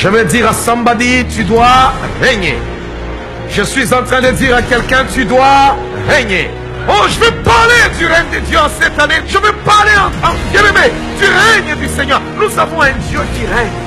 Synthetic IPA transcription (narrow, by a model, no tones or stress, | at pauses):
ʒ̥əvɛd̪iʁasɑ̃bad̪it̪yd̪waʁɛɲḛ | ʒəsɥizɑ̃t̪χɛ̃d̪əd̪iʁakʲɛlkʲɛ̃t̪yd̪wa | ʁɛɲe | oʒəvɛpaʁled̪yʁɛɲd̪əd̪jøɑ̃sɛt̪aneʒəvepaʁleɑ̃ɑ̃ɡeleme | d̪yʁɛɲd̪ysɛɲœʁnuzavɔ̃ɛ̃d̪jøkʲiʁɛɲ